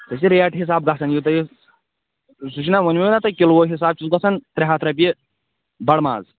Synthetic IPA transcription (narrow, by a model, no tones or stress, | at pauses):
t̪ɐsiɾejaʈɦis̬aːb̚ɡɐsɐnjit̪ɐji | sut͡ʃʰinaʋɐnʲmiɐnat̪ɐkilwoːɦis̬aːb̚t͡ʃit̪ɡɐsɐnt̪ɾʲeɦat̪ʰɾɐp̬ʲi | bɐɽma̰ːz